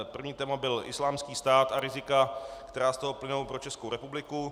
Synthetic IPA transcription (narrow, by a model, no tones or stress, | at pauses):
pr̩vɲiːt̪ɛːmabɪlʔɪ̰slaːmskiːst̪aːt̪aɾɪzɪkakt̪ɛɾaːst̪oɦoplɪnowpɾo̞t͡ʃɛskowɾɛpublɪku